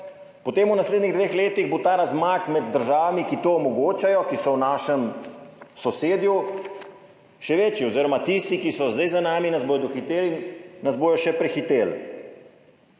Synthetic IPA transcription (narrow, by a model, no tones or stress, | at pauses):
pɔt̪eːmunasleːd̪niɣd̪ʋeːxleːt̪iɣbot̪aːɾazmakmɛd̪ːəɾʒaːʋamikit̪oːmɔɡoːt͡ʃajɔkisɔwnaːʃɛm | sɔseːd̪ju | ʃɛʋeːt͡ʃiɔziːɾɔmat̪ist̪ikisɔzd̪ajzanaːminazboːjɔd̪ɔxit̪eːlinnazbojɔʃɛpɾɛxit̪eːl